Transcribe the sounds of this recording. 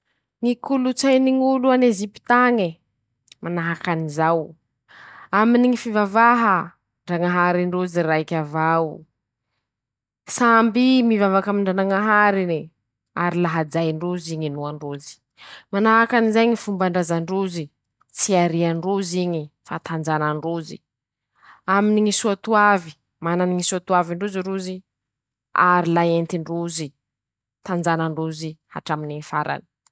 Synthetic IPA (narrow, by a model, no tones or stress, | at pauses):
ŋikulut͡sajniŋuluanezipi̥t̪aŋi | manaɦakanizaw | aminiŋifivavaɦə | ɳɖ͡ʐaŋaɦaɾiɳɖ͡ʐuziɾaikʲavawu | sambimivavakamiɳɖ͡ʐanaŋaɦaɾini | aɾilaɦad͡ʒajɳɖ͡ʐuziɲinuaɳɖ͡ʐuzi̥ | manakanizajɲifumbaɳɖ͡ʐazaɳɖ͡ʐuzi | t͡siaɾiaɳɖ͡ʐuziɲifat̪and͡zanaɳɖ͡ʐuzḭ | aminiŋisuat̪uavi | mananiŋisuat̪uaviɳɖ͡ʐuziɳɖ͡ʐuzi | a̰ɾilaent̪iɳɖ͡ʐuzi | t̪and͡ʒanaɳɖ͡ʐuziha̰ʈ͡ʂaminiɲifaɾa̰ni̥